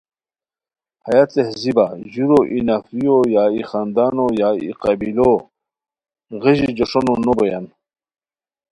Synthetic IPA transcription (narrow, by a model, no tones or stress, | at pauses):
hɐjat͡s̪ehzibaʑuɾoʔinafijojaːixand̪aːnojaḭqɑbilo | ʁeʑid͡ʑoʂononoboja̰n